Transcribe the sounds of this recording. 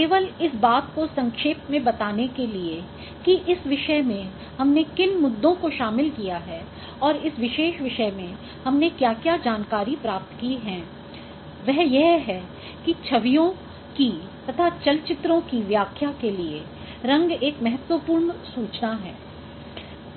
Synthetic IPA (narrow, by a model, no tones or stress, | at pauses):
keːʋəlɪsbaːt̪kosɐ̃ŋkʃeːpmẽbɐt̪aːnekelie | kiʔɪsʋɪʃəmẽ | hɐmnekɪnmʊd̪ʱːõkoʃaːmɪlkijaɦɛː | ɔːɾɪsʋɪʃeːʃʋɪʃəmẽ | hɐmnekjaːkjaːd͡ʒaːnkaːɾipɾaːp̚t̪kiɦɛ̃ː | ʋɛɦjɛɦɦɛː | kit͡ʃʰɐʋijõ | kit̪ɐt̪ʰat͡ʃɐlt͡ʃɪt̪ɾõkiʋjaːkʰjakelie | ɾɐ̃ŋɡeːkmɛɦɛt̪wʋəpuːɾmsuːt͡ʃnaɦɛː